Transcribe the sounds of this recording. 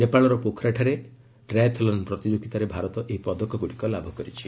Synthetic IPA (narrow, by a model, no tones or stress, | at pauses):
nepaɭɔɾɔpokʰɾaʈʰaɾe | ɾajt̪ʰɔlɔnpɾɔt̪id͡ʒoɡit̪aɾebʱaɾɔt̪ɔʔeɦipɔd̪ɔkɔɡuɽikɔlabʱɔkɔɾit͡ʃʰi